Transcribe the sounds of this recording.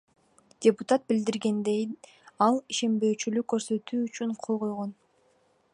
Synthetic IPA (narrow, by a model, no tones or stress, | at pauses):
d̥ʲepʊt̪at̪̚bild̪iɾɡe̞nd̪e̞j | ɑlˠiʃe̞mbø̞ːt͡ʃylykːø̞ɾsø̞t̪yːyt͡ʃyɴqʰo̞lˠʁo̞jʁo̞n